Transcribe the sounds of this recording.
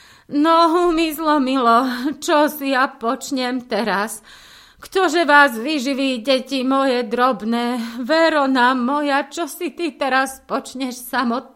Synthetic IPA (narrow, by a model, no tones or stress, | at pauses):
nɔɦumizlɔmilɔt͡ʃɔsijapɔt͡ʃɲɛmt̪ɛɾas | kt̪ɔʒɛʋaːzʋiʒiʋiːɟɛcimɔjɛd̪ɾɔbnɛːʋɛɾɔnamːɔjat͡ʃɔsit̪it̪ɛɾaspɔt͡ʃɲɛʃsamɔt̪̚